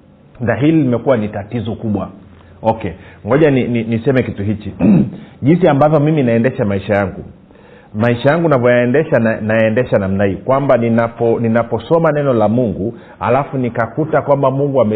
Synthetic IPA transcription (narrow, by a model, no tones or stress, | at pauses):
naɦililimɛkuwanitatizɔkuɓwa | ɔkɛŋɡɔʄanininisɛmɛkituɦit͡ʃiʄinsiambavjɔmiminaɛndɛʃamaiʃajaŋɡu | maiʃajaŋɡunavɔjaɛndɛʃanajaɛndɛʃanam̩naikwambaninapɔninapɔsɔmanɛnɔlamuŋɡu | ha̰lafunikakutakwambamuŋɡuamɛ